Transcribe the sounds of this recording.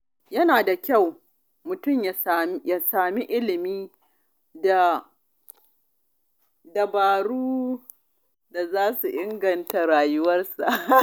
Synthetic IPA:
jɐ˦naː˨da˨kʲa˦˨w | mʊ˨tʊ˦˨mja˨ja˨saː˨mi˦ʔɪ˦lɪ˨miː˦ | da˨ | da˨baː˨ɽuː˦ | da˨zaː˦su˨ʔɪ˦ŋɡɐ˨nta˨ɽaː˨jʊ˦wɐ˦rsa˨ʔ

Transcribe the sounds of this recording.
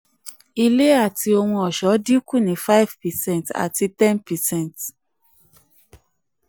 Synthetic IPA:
i˧le˦a˦˨tʰi˧o˧hũ˧ɔ˨ʃɔ˨˦di˦ku˦˨nĩ˨˦fa˦vpɛ˨sɛ̃˦˨nta̰˨ti˧tɛ̃˦npɛ˨sɛ̃˦˨nt

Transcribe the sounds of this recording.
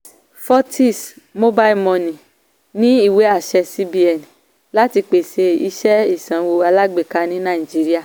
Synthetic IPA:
fɔ˦tʰi˦˨smo˦ba˦i˦˧mɔ̃˧nĩ˨ | nĩ˦i˦˨we˨˦a˦˨ʃɛ˧si˦bi˦ɛ˨nĩ˨ | la˦ti˧k͡pe˨se˧i˧ʃɛ˦i˨sã˨wo˧a˧la˦ɡ͡be˨ka˧˦nĩ˦nã˦˨i˨d͡ʒi˨˦ɾi˦a˦˨

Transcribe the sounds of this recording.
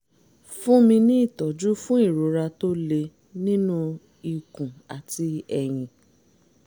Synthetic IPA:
fũ˦mĩ˧nĩ˦i˦˨tɔ˨d͡ʒu˦fũ˦i˦˨ɾo˨˦ɾa˧to˦le˧ | nĩ˦nũ˦ | i˨kũ˨a˨ti˧ɛ˨j̃ĩ˧

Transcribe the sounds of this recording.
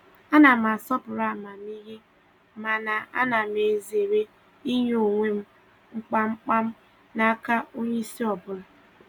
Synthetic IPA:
a˦na˨m˨a˨sɔ˦pʊ˨ɾa˦˨ma˨m˦i˦ɣi˦ | ma˨na˨a̰˦na˨m˨e˨ze˨ɾe˦ | i˦ɲo˨ŋʷe˦m̩˦ | ŋ͡m̩˦k͡pa˦ŋ͡m̩˦k͡pa˦m̩˦ | na˨a˦ka˦o˦ɲe˦i˦si˦ɔ˨bʊ˨ɾa˨

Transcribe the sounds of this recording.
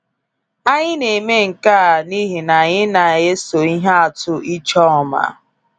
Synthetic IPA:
a˦ɲɪ˦ne˨me˦ŋ̩˨ka˦˨ni˦ɦi˨na˨ɲɪ˦na˨je˦so˨i˦ɦa˦a˨tʊ˦i˦t͡ʃɔ˦ɔ˨ma̰˨

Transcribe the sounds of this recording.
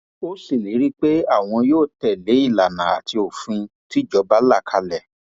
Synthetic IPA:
o˦si˦˨li˨˦ɾi˦k͡pe˦a˦˨w̃ɔ̃˧joː˦˨tɛ˨le˨˦i˦˨la˨nã˨a̰˨ti˧o˨fĩ˧ti˦˨d͡ʒɔ˧˦ba˦la˦˨kʰa˧˦lɛ˦˨

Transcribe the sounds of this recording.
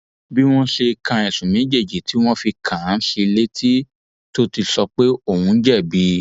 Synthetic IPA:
bi˦w̃ɔ̃˦ʃe˧kã˨˧ɛ˨sũ˨mĩ˨˦d͡ʒe˦˨d͡ʒi˨˦tʰi˨˦w̃ɔ̃˦fi˧kʰã˨˦ʃi˧le˦tʰi˦ | to˦ti˧sɔ˧k͡pe˦o˦˨wũ˧n̩˦d͡ʒɛ˦˨bi˨˦

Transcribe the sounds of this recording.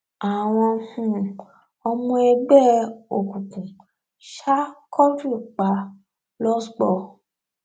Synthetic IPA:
a˨w̃ɔ̃˧hũ˧ | ɔ˧mũ˧ɛ˧ɡ͡bɛ˦˨o˨kũ˨kũ˨ | ʃa˦kʰɔ˦du˦˨k͡pa˨˦ | lɔ˦sɡ͡bɔ˧˨

